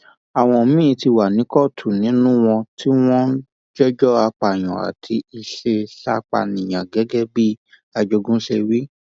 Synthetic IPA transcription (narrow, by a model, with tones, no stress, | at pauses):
a˨w̃ɔ̃˨mĩ˦˧ti˧wa˨nĩ˨˦kɔ˦˨tʰu˨nĩ˨˦nũ˦w̃ɔ̃˧tʰi˦w̃ɔ̃˦ | d͡ʒɛ˦d͡ʒɔ˦a˧k͡pa˨j̃ɔ̰̃˨a̰˨tʰi˧i˧ʃe˧ʃa˦˧k͡pa̰˨nĩ˨j̃ã˨ɡɛ˨˦ɡɛ˦bi˦ | a˧d͡ʒo˧ɡũ˦ʃe˧wi˦